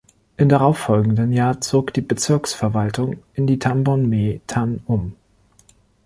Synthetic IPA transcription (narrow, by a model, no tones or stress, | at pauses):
ʔɪmdaʁaʊfɔlɡŋ̩dənjaːɐt͡soːkd̥iːbət͡sɪɐksfɛɐvaltʊŋʔɪndiːtʰambɔnmetʰanʊm